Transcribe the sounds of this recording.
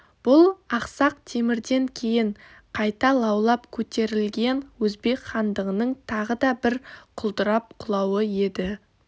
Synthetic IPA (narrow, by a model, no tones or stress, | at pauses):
b̥ʊlˠɑqsɑq̚t̪ʰe̞mɪɾd̪e̞ŋkʲʰe̞jɪɴ | qʰɑjt̪ɑlˠɑwlˠɑpkʲʰɵt̪e̞ɾɪlɡʲe̞nwɵzbe̞kχɑnd̪əʁənəɴt̪ʰɑʁəd̪ɑbɪɾqʰʊlˠt̪əɾɑp̚qʰʊlˠɑwəje̞d̪ɪ